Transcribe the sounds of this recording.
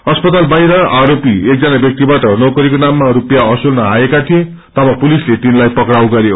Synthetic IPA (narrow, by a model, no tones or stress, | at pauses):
ʌspʌt̪albajɾʌaɾopiek̚d͡zʌnabjʌk̚t̪ibaʈʌnʌkʌɾikonamːaɾupjaʌsulnʌaekat̪ʰiẽ | t̪ʌbʌpulislet̪inlajpʌkrawɡʌɾjo